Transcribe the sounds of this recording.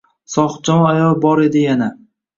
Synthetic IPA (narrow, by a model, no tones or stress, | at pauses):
sɒχt͡ʃɒmɒajɒlˠbɒɾe̞d̪ɪjana